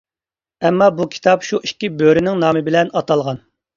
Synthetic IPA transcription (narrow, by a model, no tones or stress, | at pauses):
ɛmːɑbukʲʰi̥t̪ɑpʃuikʲːibøɾɪnɪŋnɑːmɨbɪlɛnɑt̪ɑlˠʁɑn